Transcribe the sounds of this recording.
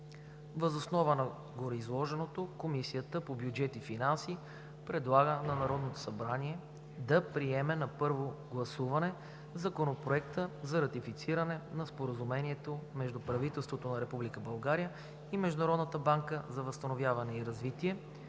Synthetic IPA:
vəzosnɔvənɐ | ɡoɾɛizlˠɔʒɛnot̪okomisiət̪əpobjud͡ʒɛt̪ifinansi | pɾɛd̪lˠaɡənɐnɐɾɔd̪not̪o̥sɐbɾaniɛ | d̪ɐpɾiɛmɛnɐpɤɾvoɡlˠɐsuvɐnɛ | zɐkonopɾoɛkt̪əzɐɾɐt̪ifit̪siɾənɛnɐspoɾəzumɛniɛt̪omɛʒd̪upɾɐvit̪ɛlˠst̪vot̪onɐɾɛpublikəbɐlˠɡaɾijə | imɛʒd̪ʊnɐɾɔd̪nət̪əbaŋkəzɐvɐst̪ɐnovjavɐnɛiɾɐzvit̪iɛ

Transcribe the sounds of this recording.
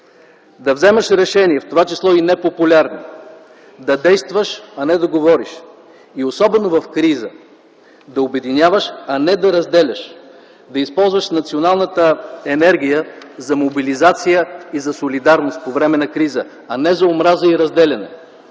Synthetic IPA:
d̪ɐvzɛmɐʃɾɛʃɛniɛft̪ovat͡ʃislˠɔinɛpopulʲaɾni | d̪ɐd̪ɛjst̪vəʃɐnɛd̪ɐɡovɔɾiʃ | iosɔbɛnovɐfkɾizə | d̪ɐobɛd̪inʲjavəʃɐnɛd̪ɐɾɐzd̪ɛlʲɐʃ | d̪ɐispɔlˠzvəʃnɐt̪sionalˠnət̪əɛnɛɾɡ̟ʲijəzɐmobilizat̪sijəizɐsolid̪aɾnost̪̚povɾɛmɛnɐkɾizə | ɐnɛzɐomɾazəiɾɐzd̪ɛlʲɐnɛ̰

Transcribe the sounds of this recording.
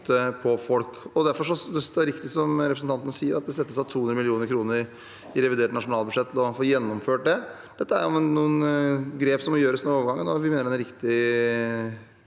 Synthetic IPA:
t̪əpʰɔfɔlkɔd̪æɾfɔʂɔd̪ɛsd̪ɛɾɪkt̪ɪsɔmɾɛpɾsn̩t̪ɑnt̪ənəsiːəɾʔɑt̪d̪ɛsɛt̪ːəsɑt̪ʰuːɵnɾəmɪlɪuːnəɾkʰɾuːnəɾ | ɪɾɛʋɪd̪eːʈnɑʂʊnɑːlbʉʂɛt̪ːʰlɔfoːjɛnːɔmføːʈ̚d̪ɛ | d̪̥ɛt̪ːəæɾjʊnːuːənɡɾeːpsɔmːɔjøːɾəsnəoːʋɾɡɑŋːənɔʋɪmeːnəɾɛnɾɪkt̪ɪ

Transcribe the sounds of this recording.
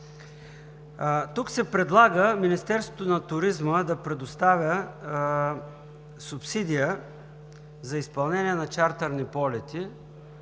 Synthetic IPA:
t̪uksɛpɾɛd̪lˠaɡəminist̪ɛɾst̪vot̪onɐt̪ʊɾizməd̪ɐpɾɛd̪ʊst̪avʲə | sʊpsid̪ijə | zɐispɐlˠnɛniɛnɐt͡ʃaɾt̪ɐɾnipɔlɛt̪i

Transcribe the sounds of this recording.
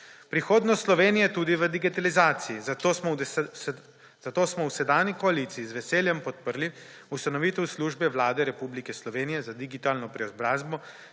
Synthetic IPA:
pɾixoːd̪nɔst̪slɔʋeːnijɛt̪uːd̪iʋəd̪iɡit̪alizaːt̪siizm | z̥at̪oːsmɔwsɛd̪aːnikɔalit̪siːzʋɛseːljɛmpɔt̪̚pəɾli | ust̪anɔʋiːt̪ɛwsluːʒbɛʋlaːd̪ɛɾɛpublikɛslɔʋeːnijɛzad̪iɡit̪aːlnɔpɾɛɔzbɾaːzbɔ

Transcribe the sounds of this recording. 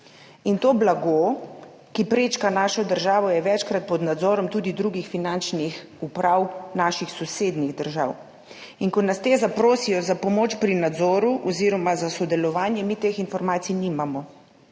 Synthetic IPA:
int̪oːblaɡo | kipɾeːt͡ʃkanaːʃɔd̪əɾʒaːʋɔjɛʋɛt͡ʃkɾat̪̚pɔd̪nad̪zɔːɾɔmt̪uːd̪id̪ɾuɡixfinant͡ʃnix | upɾawnaːʃixsɔseːd̪niɣd̪əɾʒa̰w | iŋkɔnast̪eːzapɾoːsijɔzapɔmoːt͡ʃpɾinad̪zɔːɾuʔɔziːɾɔmazasɔd̪ɛlɔʋaːnjɛmit̪eːxinfɔɾmaːt̪sijniːmamɔ

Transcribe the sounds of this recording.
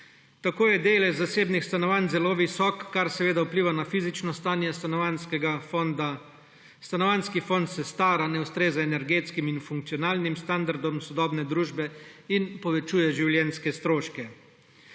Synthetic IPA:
t̪akoːjɛd̪eːlɛzaseːbnixst̪anɔʋanzɛloːʋisɔːkːaɾsɛʋeːd̪aupliːʋanafiːzit͡ʃnɔst̪aːnjɛsanskɡad̪a | st̪anɔʋanskifont̪sɛst̪aːɾanɛwst̪ɾeːzaɛnɛɾɡeːt̪skiminfuŋk̚t̪sijɔnaːlnimst̪and̪aɾd̪ɔmsɔd̪ɔːbnɛd̪ɾuːʒbɛinpɔʋɛt͡ʃuːjɛʒiwljɛnskɛst̪ɾoːʃkɛ

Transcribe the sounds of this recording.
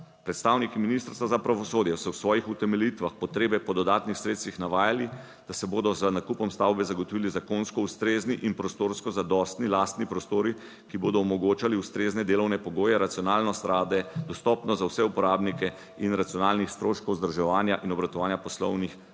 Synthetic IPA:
pɾɛt̪st̪aːwnikiminist̪əɾst̪ʋazapɾaʋɔsoːd̪jɛsɔwsʋɔːjixut̪ɛmɛlit̪ʋaxpɔt̪ɾeːbɛpɔd̪ɔd̪aːt̪nixsɾeːt̪st̪ʋixnaʋaːjali | d̪̥asɛboːd̪ɔzənakupɔmst̪awbɛzaɡɔt̪ɔʋiːlizakonskɔust̪ɾeːzniʔinpɾɔst̪oːɾskɔzad̪ɔst̪nilast̪nipɾɔst̪oːɾi | kiboːd̪ɔːmɔɡoːt͡ʃaliust̪ɾeːznɛd̪eːlɔwnɛpɔɡoːjɛɾat̪siɔnalnɔst̪ɾaːd̪ɛd̪ɔst̪ɔpnɔzawsɛupɔɾaːbnikɛ | inɾat̪sijɔnalnixst̪ɾoːʃkɔwzd̪ɾɔʒɛʋaːnjaʔinɔbɾat̪ɔʋaːnjapɔslɔ̰wnix

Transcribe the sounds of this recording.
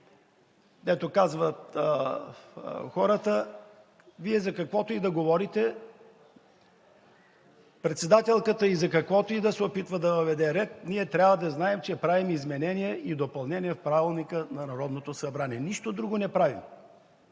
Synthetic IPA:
d̪ɛt̪okazvət̪ | xɔɾət̪ə | viɛzɐkɐkvɔt̪oid̪ɐɡovɔɾit̪ɛ | pɾɛt̪sɛd̪at̪ɛlˠkət̪əizɐkɐkvɔt̪oid̪ɐsɛopit̪vɐd̪ɐvəvɛd̪ɛɾɛt̪niɛt̪ɾʲjavvəd̪ɐznaɛmt͡ʃɛpɾavimizmɛnɛniɛʔid̪opɐlˠnɛniɛfpɾavilˠnikənɐnɐɾɔd̪not̪osɐbɾaniɛniʃt̪od̪ɾuɡonɛpɾavim

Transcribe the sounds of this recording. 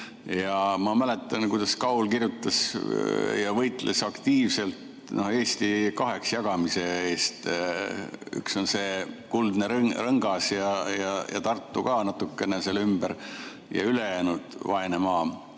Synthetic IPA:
jɑmɑmæle̞t̪ˑːɑnkujd̪̥ɑskɑulkirjut̪ːˑɑs | jɑvɤjt̪ˑlʔesɑkt̪iːvse̞lt̪ | no̞he̞ːst̪ikɑɦe̞ksjɑɡ̥ɑmise̞eːst̪ | y̰kso̞nse̞ːkuld̪̥neɾrɤŋɡ̥ɑsjɑjɑjɑ̰t̪ɑrt̪ːˑukɑːnɑt̪ːˑukːe̞nese̞lymb̥eɾ | jɑ̰yle̞jæːnud̪̥vɑenemɑː

